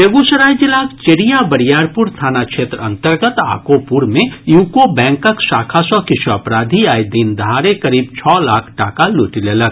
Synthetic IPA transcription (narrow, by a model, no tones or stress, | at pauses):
jeɡusəɾaːjd͡ʒilaːkt͡ʃeɽijabɐɽijaːɾpuɾst̪ʰaːnakʃeːt̪ɾəɐ̃nt̪əɾɡət̪a̰ːkopuɾmẽjuːkobɛ̃ːŋkəksaːkʰasɔkɪʃʰəɐpɾaːd̪ʱiaːjd̪ind̪aːɾekɐɾiːbt͡ʃʰɔːlaːkʰʈaːkaluːʈileːlək̚ʰ